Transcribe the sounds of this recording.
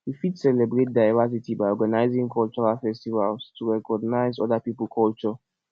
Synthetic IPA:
wifidsɛlɛbɹet̚daɪvas̬itibaɪɔɡanaɪzĩŋkʰɔlt͡ʃɔɹalfɛstivalstʰuɹɛkɔɡnaɪzɔ̰dapipəlˠkʰɔlt͡ʃɔ

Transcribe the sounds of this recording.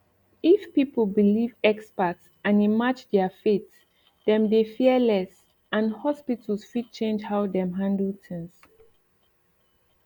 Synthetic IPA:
ifpipəl̩bilivɛkspəts | ãnimad͡ʒdɛfet | ðɛ̃mdefiəlɛs | ãnhɔspitʰl̩sfid̚t͡ʃẽnd͡ʒhawdɛ̃mɦãndl̩tʰɪ̃ŋs

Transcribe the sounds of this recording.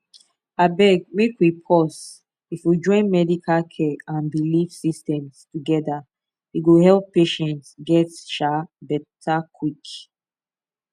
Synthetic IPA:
abɛɡ̚mekwipʰɔs | ifwid͡ʒɔ̃ɪ̃nmɛdikʰalkʰɛãnbilifsistɛ̃mstuɡɛda | wiɡohɛlˠpːeʃɛ̃ntsɡɛtʃabɛtʰakʰwik

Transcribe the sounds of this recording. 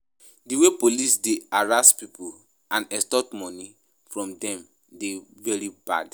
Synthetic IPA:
diwepolisdeaɹastpipʰul | ãnɛstɔtmɔ̃ni | fɹɔ̃mdɛ̃m | devɛɹiba̰d

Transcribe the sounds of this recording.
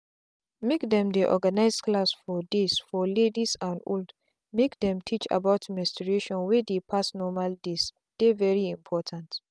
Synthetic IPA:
mekdɛ̃mdeʔɔ̰ɡanaɪsklasfɔdesfɔledisãndo̰ld | mekdɛ̃mtʰit͡ʃa̰baʊtmɛstɹeʃɔ̃nwedepʰasnɔmaldes | d̥evɛɹiĩmpʰɔtʰãnt

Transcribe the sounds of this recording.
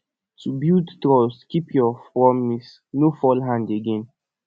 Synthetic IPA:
tubildtɹɔskipʰjɔpɹɔmis | nofɔlɦãndeɡẽn

